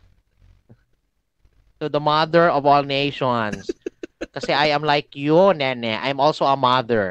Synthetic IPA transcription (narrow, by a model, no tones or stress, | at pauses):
sod̪ɐmad̪ɛɹɔvɔlˠnejʃɔnskɐsɛʔajɐmlajkjʊnɛnɛʔa̰jmɔlsowɐmaðɛɹ